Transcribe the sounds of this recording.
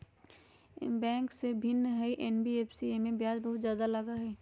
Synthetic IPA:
bɛ̃ːŋksebʱɪnːɦɛiʔeːnbieːpʰsiemẽbjaːd͡ʒbɐɦʊt̪zjaːd̪alɐɡaɦɛː

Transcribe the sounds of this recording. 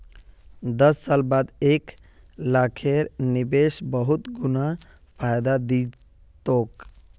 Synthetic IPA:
d̪əsːalbad̪ek | lakʰeɾnibesbəɦut̪ɡuna | pʰajd̪ad̪i | t̪ok

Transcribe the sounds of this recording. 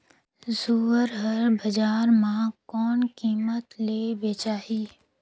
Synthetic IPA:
zuːəɾɦəɾbəd͡ʒaːɾmãkɔːnkiːmət̪leːbeːt͡ʃaːɦiː

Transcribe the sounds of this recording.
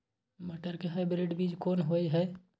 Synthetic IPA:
məʈəɾkeɦaɪbɾiɖbid͡ʒkoːnɦojɦɛ

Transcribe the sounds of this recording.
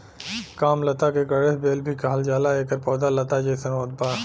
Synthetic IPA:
kaːmlɐt̪akeɡɐɽeɦbeːlbʱikaːld͡ʒaːlaeːkəɾpɔːd̪alɐt̪ad͡ʒeːsɐnoːd̪̚baː

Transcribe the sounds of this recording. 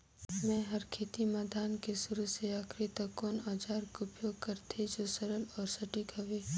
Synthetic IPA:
mɛ̃ɦɐɾkʰeːt̪imaːd̪ʱaːnkesʊɾuseaːkʰɾit̪ɐkonaːd͡ʒaːɾkʊpjoːɡ̚kɐɾt̪ʰed͡ʒoːsəɾəlɔːɾsɐʈikɐʋeː

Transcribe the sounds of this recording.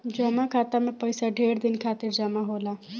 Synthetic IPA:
d͡ʒəmakʰaːt̪amẽpɐɪsaɖʱeːɾd̪ɪnkʰaːt̪ɪɾd͡ʒɐmaɦoːlaː

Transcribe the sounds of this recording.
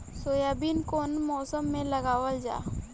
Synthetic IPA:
soːjaːbiːnkoːnmɔːsəmːẽləɡaːwəld͡ʒa̰ː

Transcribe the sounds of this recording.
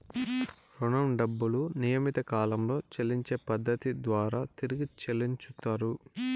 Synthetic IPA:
ɾunɐmɖɐbːulunijɐmit̪ɐkaːlɐmlo̞ːt͡ʃeliɲt͡ʃe̞ːpɐd̪ːɐt̪id̪ʋaːɾaːt̪iɾiɡit͡ʃeliɲt͡ʃut̪ːaːɾu

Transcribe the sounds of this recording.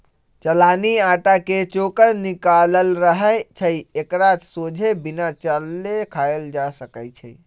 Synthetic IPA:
t͡ʃəlaniaʈaket͡ʃokəɾnikaləlɾəɦəjt͡ʃʰəjekɾat͡ʃsod͡ʒʱebinat͡ʃəlːekʰajeld͡ʒasəkəjt͡ʃʰəj

